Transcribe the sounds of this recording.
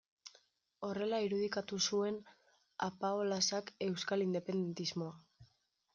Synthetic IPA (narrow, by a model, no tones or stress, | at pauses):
o̞re̞laiɾuð̞ikat̪usue̞n | a̰paolasake̞wskalind̪e̞pe̞nd̪e̞nt̪izmo̞a